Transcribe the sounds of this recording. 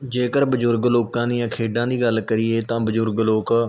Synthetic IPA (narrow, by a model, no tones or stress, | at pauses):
d͡ʒeːkəɾbəd͡ʒʊɾɡloːkãːniːãːkʰeːɖãːd̪iːɡəlkəɾɪːeːt̪ãːbəd͡ʒʊɾɡloːkː